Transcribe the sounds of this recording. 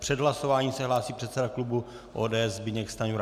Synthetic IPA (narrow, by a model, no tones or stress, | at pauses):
pr̥ɛdɦlasovaːɲiːsɛɦlaːsiːpr̥ɛt̪sɛdaklubu | ʔoːdɛːɛzbɪɲɛkst̪aɲuɾ